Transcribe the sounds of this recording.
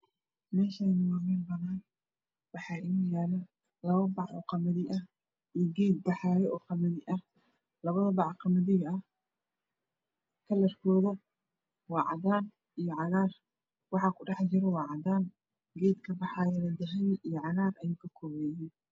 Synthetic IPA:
mɛːʃɐjnʊwaːmɛːnbɐnaːn | wɑħɑːʔɪnujaːlɐ | lɐβɐbɑʕɔ̰qɑmɐðiʔɐh | ʔijɔɡɛːd̪̚bɑħɑːjɛʔɔːqɑmɐðɪʔɐh | lɐβɐðɐbɑʕqɑmɐðɪɣɐɐh | kʰɐlɐrkʰɔːðɐ | wɑːʕɑ̰d̪aːn | ijɔʕɑɣaːr | wɑħɑkʰʊɖɑħt͡ʃɪɾɛwɑːʕɑd̪aːn | ɡɛːd̪kʰɐbɑħɑːjɐnɐd̪ɐɦɛnʔijɔʕɑɣaːrɐjʊŋkʰɐkʰɔːβɛːjɛn

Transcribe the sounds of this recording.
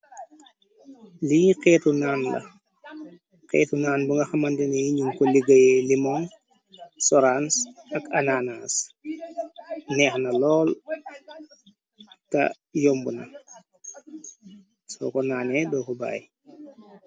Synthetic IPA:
liqɛːtunaːnlɐ̰ | qɛ̰ːtunaːnbuŋɡɐxamɐndɛneiɲumkɔliɡɐjɛlimɔn | sɔɾansɐkananas | nɛːxnɐlɔːl | tɐ̰ | jɔmbunɐ̰ | sɔ̰kɔnaːnɛdɔːkɔba̰ːj

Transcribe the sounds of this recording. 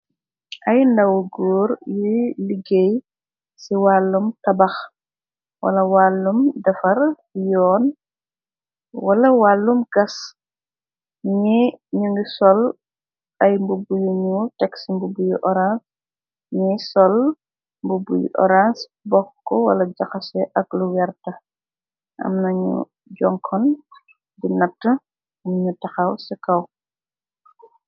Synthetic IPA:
ʔɐjndɐwɡuːɾjiliɡej | siwalːumtɐbɐx | wɐ̰lɐwalːumdɐfɐɾ | jɔːn | wɐlɐwalːumɡ̥ɐs | ɲiɲuŋɡisɔl | ʔɐjmbubujuɲutɛksimbubujuʔɔɾans | ɲisɔl | mbubujṵʔɔ̰ɾans | bɔxkɔwɐ̰lɐd͡ʒɐxɐsɛʔɐkluwɛrtɐ | ʔɐ̰mnɐɲṵ | ɟɔŋkʰɔn | binɐtːɐ | mɲutɐxɐwsɛkɐw

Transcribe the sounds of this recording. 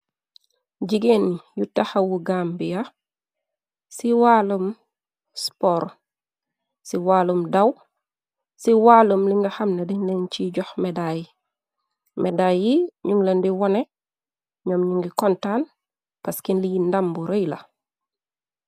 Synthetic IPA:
d͡ʒiɡenijutaxɐwuɡambija | siwalum | spɔːɾ | siwaːlumdaw | siwaːlumliŋɡɐxɐmnedinlenciɟɔxmɛdaji | mʔɛdajiɲuŋlɐndiwɔnɛ | ɲɔːmɲuŋɡikɔntaːn | pɐskinlijindambuɾojlɐ̰

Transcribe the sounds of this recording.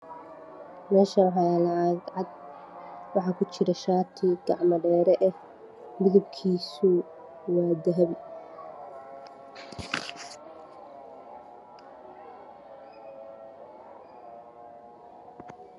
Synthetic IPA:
mɛːʃɐwħɑlɐaɡʕɑd̪̚ | wɑħɑːkʰʊt͡ʃɪɾɐʃaːt̪ʰiɡɑʕmɐɖɛːɾɛʔɛh | mʊðʊb̚kʰiːsʊ | wɑːd̪ɐɦɐb

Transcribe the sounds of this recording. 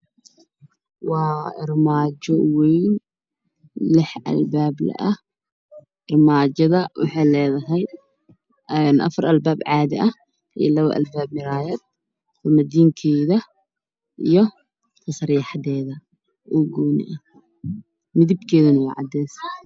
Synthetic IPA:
wɑːɪrmaːd͡ʒɔwɛjn | lɪħʔɐ̰lbaːblɐ̰ʔɐh | ɪrmaːd͡ʒɐðɐwɑ̰ħɑjlɛːðɐɦɛj | ɛnʔɐ̰fɐɾʔɐlbaːbʕɑːðɪʔɐh | ʔḭjlɐβɐ̰ʔɐ̰lbaːb̚mɪɾaːjɐd̪̚ | rɐmɐd̪iːŋkʰɛːðɐ | ʔijɞ | t̪ʰɐsɐrjħɑd̪ɛːðɐ | ʔuːɡɔːnɪ̰ʔɐ | mɪðɪbkʰɛːðɐnɐwɑ̰ːʕɑ̰d̪ɛːs

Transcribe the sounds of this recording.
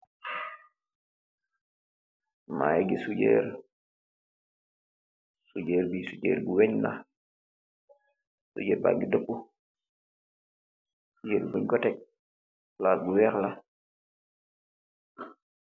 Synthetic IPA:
ma̰jeɡisuɟḛɾ | suɟeːɾbisuɟḛːɾbuweɲla̰ | sṵɟeːɾba̰ŋɡidopːu | suɟeɾbuboɲɡotɛk̚ | laːt̚ɡuwɛɾla

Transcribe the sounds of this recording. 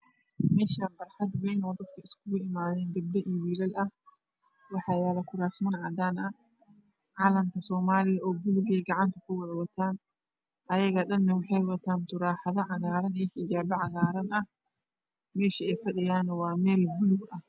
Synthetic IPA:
mɛːʃaːnbɐrħad̪wɛjnoːd̪ɐd̪kʰɐɪskʰʊɣʊʔɪmaːðɛːnɡɐblɐʔɪwiːlɐlɐh | wɑħɑːjaːlɐkʊɾaːsmɐnʕad̪aːnɐ | ʕaːlɐmt̪ʰɐsɔːmaːlɪjɐʔoːbʊlʊɡɛjɡɐʕant̪ʰɐkʰʊwʊʕwɐt̪ʰaːn | ʔɐjɐɣɐɗɐnːɐwɪħɛjwɐt̪ʰaːnt̪ʊɾaːħaðɐʕaɣaːɾɐnɛħɪd͡ʒaːbɐʕaɣaːɾɐnʔɐh | mɛːʃɐɛjfɐɗɪjaːnwaːmɛːlbʊlʊɡɐh

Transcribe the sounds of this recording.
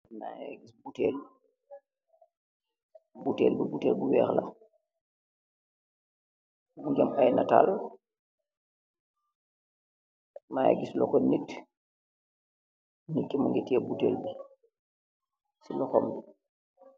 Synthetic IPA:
na̰jaɡisbutɛːl | butɛ̰ːlbubutɛːlbuwɛːxla̰ | muɡamajnata̰lɔ | maːja̰ɡislɔkɔnit | nikːimuŋɡɛtɛbutḛːlbi | silɔxɔmbi

